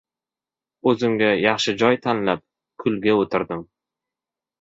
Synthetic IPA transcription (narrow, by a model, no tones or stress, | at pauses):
ɵzɪmɡʲajɑχʃɪd͡ʒɒjt̪ʰanlap̚ | kʰʊlɡʲaot̪ʰɪɾd̪ɪm